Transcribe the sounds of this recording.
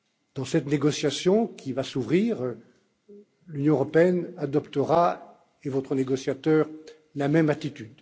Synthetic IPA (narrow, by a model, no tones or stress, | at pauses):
d̪̥ɑ̃sɛt̪neɡɔsjasjɔ̃kʲivasuvʁiːʁ | lynjɔ̃øʁɔpeɛnad̪ɔpt̪əʁa | evɔt̪χəneɡɔsjat̪œːʁ | lamɛmat̪it̪yd̪